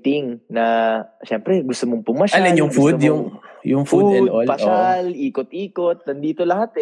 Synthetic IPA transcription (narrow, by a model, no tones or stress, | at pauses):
t̪ɪŋnɐʃɛmpɾɛɡʊst̪omoŋpʊmaʃalɐnjʊŋfɡfud̪jʊŋjʊŋfudpɐsalʔiːkot̪̚ʔiːkot̪̚nɐnd̪iːt̪olɐhat̪ɛ